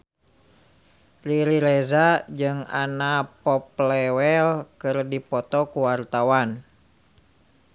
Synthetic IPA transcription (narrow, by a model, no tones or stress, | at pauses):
liɾiɾɛzad͡ʒɨŋa̰napɔp̚lɛwɛlkɨrdipɔt̪ɔkuwart̪awan